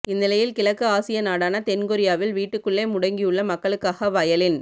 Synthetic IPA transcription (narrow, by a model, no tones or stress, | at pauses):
ɪnːɪlɐjɪlkɪlɐkːɯaːsɪjɐnaːɽaːnɐt̪ɛnɡɔɾɪjaːʋɪlʋiːʈːɯkːɯɭːɐɪmʊɽɐŋɡɪjɯɭːɐmɐkːɐɭɯkːaːɣɐʋɐjɐlɪn